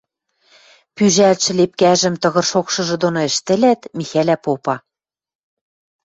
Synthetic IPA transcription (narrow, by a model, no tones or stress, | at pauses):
pyʒælt̪ʃɘ̆lep̚kæʒɘ̆mt̪ɤ̆ɣɤ̆rʃokʃɤ̆ʒɤ̆d̪onoɘ̆ʃt̪ɘ̆læt̪mixælæpopɑ